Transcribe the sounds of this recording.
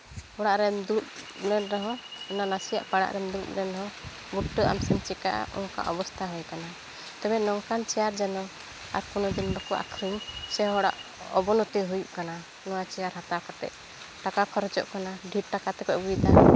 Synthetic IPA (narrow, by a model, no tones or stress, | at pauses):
hɔɽaʔɾɛmd̪uɾuʔ̚ | ɾɛnɾɛɦɔ̃ɔnanasija̰ʔpaɽa̰ʔɾɛmd̪uɾṵʔ̚nɛnɦɔ̃ | buʈːəʔa̰msɛnt͡ʃika̰ʔa̰ɔ̰ka̰ʔɔbɔst̪ʰaɦɔjkana | t̪ɛbɛnɔŋkant͡ʃɛjaɾd͡ʒɛnɔ | a̰ɾpunɔd̪inbakɔʔa̰kʰɾiɲsɛɦɔɽa̰ʔ | ɔ̰bɔnɔt̪ɛɦujuʔkana | nɔwat͡ʃɛjaɾɦat̪akɔt̪ɛ̰ʔ | ʈakakʰɔɾɔt͡ʃɔ̰ʔkanaɖʱiʈ̚ʈakat̪ɛkɔʔbujt̪a